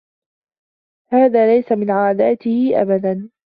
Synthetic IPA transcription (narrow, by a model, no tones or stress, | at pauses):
haːðaːlajsamɪnʕaːd̪aːt̪ɪhɪʔa̰bad̪an